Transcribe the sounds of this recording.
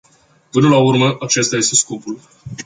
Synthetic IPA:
pɨnəlaurməʔat͡ʃe̞st̪aje̞st̪e̞sko̞pul

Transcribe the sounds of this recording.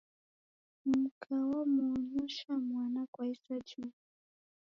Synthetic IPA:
mukʰawamuːɲuʃamwanakwajsat͡ʃu

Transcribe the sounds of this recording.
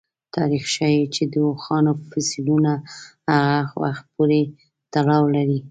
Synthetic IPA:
t̪ʰɑɾixʃawit͡ʃed̪əwoxɑnofasilunahaɣaxwa̰xt̪̚puɾe | t̪alɑwlaɾi

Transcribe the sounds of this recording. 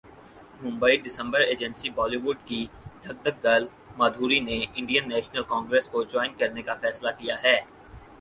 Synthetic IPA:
mʊ̃mbəiɖɪsə̃mbəɾeːd͡ʒə̃nsibɔːliʋʊɖ̚kid̪ʱɐɡ̚d̪ək̚ɡɐl | maːd̪ʱuːɾineɪ̃ɳɖijənːɛːʃnəlkɔ̃ːŋɡɾeːskod͡ʒɔːɪnkɐɾnekafɛːslakijaɦɛː

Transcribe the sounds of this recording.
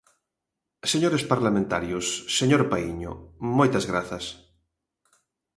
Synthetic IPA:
seɲoɾespaɾlamẽnt̪a̰ɾjʊsːeɲoɾpaiɲʊ̰mojt̪ɐzɣɾaθɐs

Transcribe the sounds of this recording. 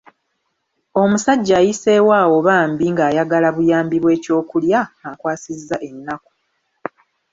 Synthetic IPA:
o̞musaɟːaːjise̞ːwaːwo̞βaːmbiŋɡaːjaɡalaβujaːmbiβwe̞ːco̞ːkuljaakwaːsizːaʔe̞nːaku̥

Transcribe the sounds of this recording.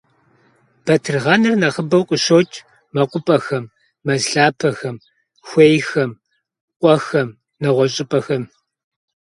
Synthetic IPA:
b̥ɐtʰɨrʁɐnɨrnɐʁəbɐwqʷʼʊɕoːtʼʰ | mɐqʷʼʊpʼɐxɐmː | ɐzɬaːpʰɐxɐm | xʷejxɐm | qʷʼɔxɐm | nɐʁʷɔɕʼɪpʼɐxɐm

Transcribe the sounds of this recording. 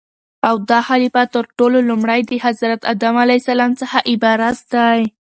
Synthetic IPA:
awd̪ɑhalifat̪əɾʈololumɽajd̪əhazɾat̪a̰d̪amalajsalɑmt͡səxaʔɪbɑɾat̪̚d̪aj

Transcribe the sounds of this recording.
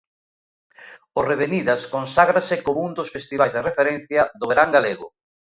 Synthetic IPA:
oreβeniðɐskonsaɣɾasɪkomũŋd̪osfest̪iβajzðerefeɾen̟θjɐðoβeɾaŋɡaleɣʊ̰

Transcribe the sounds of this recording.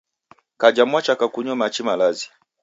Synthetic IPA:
kad͡ʒamwat͡ʃakakuɲɔmat͡ʃimalazi

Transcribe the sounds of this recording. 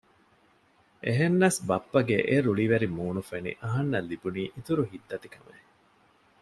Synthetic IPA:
ʔeɦenːɐsbɐpːɐɡeʔeɾuɭiʋeɾimuːnufenḭʔɐɦɐnːɐlːibuniːʔit̪uɾuɦid̪ːɐt̪ikɐmḛ

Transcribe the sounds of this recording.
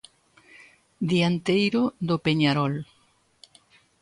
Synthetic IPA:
d̪iant̪ejɾoðopeɲaɾɔl

